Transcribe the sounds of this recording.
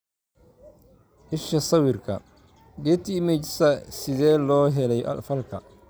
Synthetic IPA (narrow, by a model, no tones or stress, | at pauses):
ʔɪʃɐsɐwɪrkʰɐ̰ | ɡɛːt̪ʰimɛt͡ʃsɐsɪðɛːlɔːɦɛlɛjʔɐ̰dfɐlkʰɐ